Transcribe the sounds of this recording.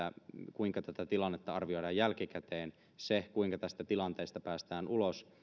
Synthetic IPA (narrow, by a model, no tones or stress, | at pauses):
ækuiŋkɑt̪æt̪æt̪ilɑnːet̪ːɑɑrʋio̞idɑːjjælkikæt̪eːn | sekuiŋkɑt̪æst̪æt̪ilɑnt̪eˑːst̪ɑpæːst̪æːnulos